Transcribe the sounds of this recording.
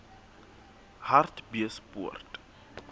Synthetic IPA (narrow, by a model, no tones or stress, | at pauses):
hartbiəsbuərt